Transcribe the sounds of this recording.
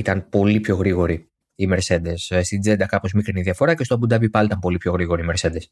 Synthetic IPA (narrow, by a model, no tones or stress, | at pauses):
it̪ɐnpo̞lipço̞ɣɾiɣo̞ɾi | ime̞ɾse̞nd̪e̞sst̪id͡ze̞nd̪ɐkɐpo̞zmikɾiniðiɐfo̞ɾɐcest̪obund̪ɐbipɐlit̪ɐmpo̞lipço̞ɣɾiɣo̞ɾiːme̞ɾse̞nd̪e̞s